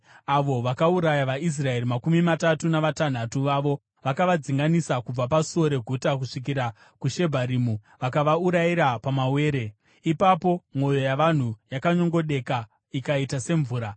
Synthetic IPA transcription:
aʋo̞ʋakauɾajaʋais̬rae̞ɾimakumimatatunaʋatan̤atuʋaʋo̞ | ʋakaʋad͡ziŋɡanisakub͡vapaso̞ɾe̞ɡʱutak̬uʂik̬iɾa | kuʃe̞bʱaɾimu | ʋakaʋauɾaiɾapamawe̞ːɾe̞ | ipapo̞mo̞jo̞jaʋan̤ujakaɲo̞ŋɡo̞ɗe̞ka | ikaitase̞ɱvuːɾa

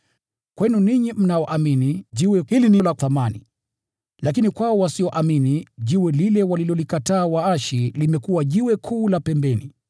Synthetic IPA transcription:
kwɛnuniɲim̩naɔʔaminiʄiwɛhilinilaθamanḭ | lakinikwaɔwasiɔʔaminiʄiwɛlilɛwalilɔlikataːwaaʃilimɛkuwaʄiwɛkʰuːlapɛmbɛni

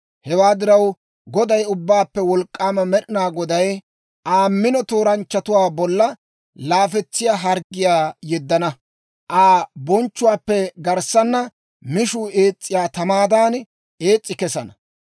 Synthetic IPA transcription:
hɛwaːd̪ɪɾɐw | ɡɔd̪ɐjʊbːaːpːɛwɔlkʼːaːmɐmɛɗɪnaːɡɔd̪ɐj | ʔaːmːɪnɔt̪oːɾɐnt͡ʃːɐt̪ʊwaːbɔlːɐ | laːfɛt͡sːɪjaːɦɐɾɡɪjaːjɛd̪ːɐnɐ | ʔaːbɔnt͡ʃːʊwaːpːɛɡɐɾsɐnːɐ | mɪʃʊe̞ːt͡sʼːɪjaːt̪ɐmaːd̪aːn | ʔeːt͡sʼːɪkɛsɐnɐ

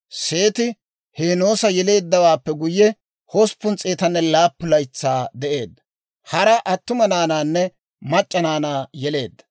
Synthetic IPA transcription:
se̞ːt̪ɪ | heːno̞ːsɐjɛle̞ːd̪ːɐwaːpːɛɡʊjːɛ | hɔspːʊnt͡sʼeːt̪ɐnːɛlaːpːʊlɐjt͡sːaːd̪ɛʔe̞ːd̪ːɐ̥ | hɐɾɐʔɐt̪ːʊmɐnaːnaːnːɛ | mɐt͡ʃʼːɐnaːnaːjɛle̞̰ːd̪ːɐ̥

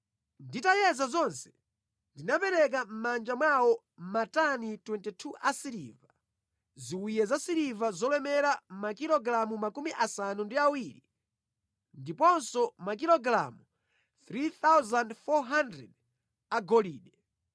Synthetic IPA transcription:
nditajɛzazɔnsɛ̥ | ndinapɛɾɛk̬am̩mand͡ʒamwawɔ | matanitwɛntitʰuʔasiɾḭva | ziwijɛzasiɾivazɔlɛmɛɾamakilɔɡɾamumakumiʔasanundiawiɾḭ | ndipɔnsɔmak̬ilɔɡɾa̰mu | θɾiθawzandfɔɦandɾɛ̰d̚ | aɡɔliːɗɛ

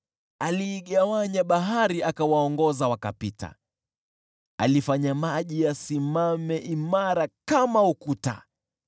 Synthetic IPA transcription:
aliːɠawaɲaɓaɦaɾiʔakawaɔŋɡɔzawaka̰pita̰ | alifaɲamaʄijasimamɛʔimaɾakamaukuta̰

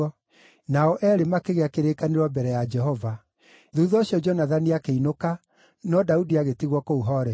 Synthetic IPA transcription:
ɔ | naɔʔɛɾemakeɣeakeɾekaneɾwɔmbɛɾɛjad͡ʒɛɦɔva | ðuːðɔɕjɔd͡ʒɔnaðaniakeinoka | nɔdaudiaɣetiɣwɔkouɦɔɾɛ

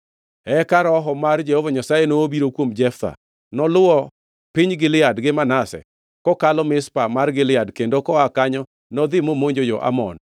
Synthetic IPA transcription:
ɛkaɾɔɦɔmard͡ʒɛhɔvaɲasajenoːbiɾokwomd͡ʒɛft̪a̰ | nɔlʊwɔ | pɪɲɡɪlɪadɡɪmanasɛ̰ | kɔkalɔmɪspamarɡɪlɪadkendokɔakaɲɔ | nɔd̪ɪmomoɲd͡ʒod͡ʒɔʔa̰mɔ̰n

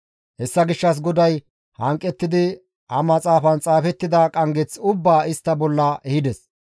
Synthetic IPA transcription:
hɛsːɐɡɪʃːɐs̬ɡɔd̪ɐj | hɐŋkʼːɛt̪ːɪd̪ɪ | hɐmɐt͡sʼaːfɐnt͡sʼaːfɛt̪ːɪd̪ɐkʼɐŋɡɛt͡sʊbːaːɪst̪ːɐbɔlːɐʔɛhɪd̪ɛs

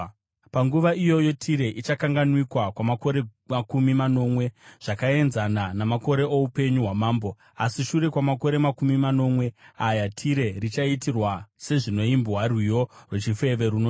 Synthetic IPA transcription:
paŋɡuʋaijo̞jotʰiɾe̞ʔit͡ʃakaŋɡanwikwakwamako̞ɾemakumimano̞ːmwe̞ʐ̥akae̞nzananamako̞ɾe̞oupe̞ɲuɦwamaːmbo | asiʃuɾe̞kwamako̞ɾe̞makumimano̞mwe̞ajatʰiɾe̞rit͡ʃaitirwase̞ʐino̞imbɦwarwijo̞rwet͡ʃife̞ʋe̞ɾuno

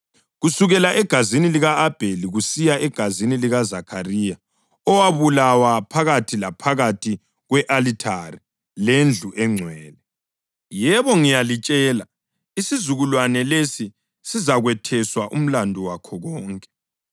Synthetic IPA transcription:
ɣusuɣɛlaʔɛɡ̥ʱaziniliɣaːb̥ʱeliɣusijaʔɛɡ̥ʱaziniliɣazakʰarija | ɔwaβulawapʰaɣatʰilapʰaɣatʰi | ɣwɛʔalitʰari | lend͡ɮʱuʔɛŋ͡ǀʱwɛːlɛ | jɛβɔŋijalit͡ʃʼɛːla | isizuɣulwanɛlesi | sizaɣwɛtʰɛswaʔṵm̩landʱuwakʰɔɣɔːŋkʼɛ̥

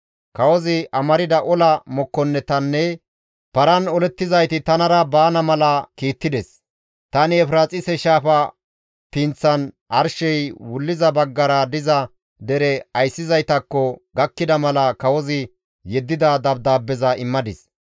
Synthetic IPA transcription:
kɐwɔzɪʔɐmɐɾɪd̪ɐʔɔlɐmɔkːɔnːɛt̪ɐnːɛ | pɐɾɐnɔlɛt̪ːɪzɐjt̪ɪt̪ɐnɐɾɐbaːnɐmɐlɐkiːt̪ːɪd̪ɛs | t̪ɐnɪɛfɾaːt͡sʼɪsɛʃaːfɐ | p̪int͡sːɐn | ʔɐɾʃɛjwʊlːɪzɐbɐɡːɐɾɐd̪ɪzɐ | d̪ɛɾɛɐjsːɪzɐjt̪ɐkːɔɡɐkːɪd̪ɐmɐlɐkɐwɔzɪ | jɛd̪ːɪd̪ɐd̪ɐb̚d̪aːbːɛzɐɪmːɐd̪ɪs

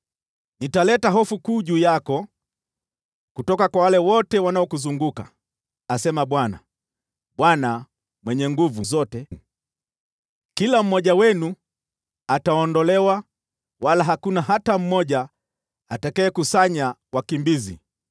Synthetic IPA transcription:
nitalɛtaɦɔfukuːʄuːjakɔ | kutɔkakwawalɛwɔtɛwanaɔkuzuŋɡuka | asɛmaɓwana̰ | ɓwana | mwɛɲɛŋɡuvuzɔtɛ | kilam̩mːɔʄawɛnu | ataɔndɔlɛwa | walaɦakunaɦatam̩mɔʄa | atakɛːkusaɲawakimbizḭ

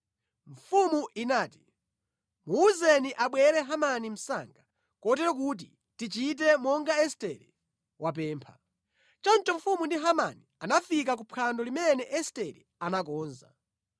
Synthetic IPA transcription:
ɱ̩fumuʔinaːti̥ | muːzɛniʔaɓwɛɾɛɦamanim̩sa̰ːŋɡa | kɔtɛɾɔk̬ut̬ḭ | tit͡ʃit̬ɛmɔŋɡaɛstɛɾi | wʔapɛːmpʰa | t͡ʃɔnt͡ʃɔɱfumundiɦama̰nianafik̬ak̬upʰandɔlimɛnɛʔɛstɛɾḭ | anak̬ɔːnza̰

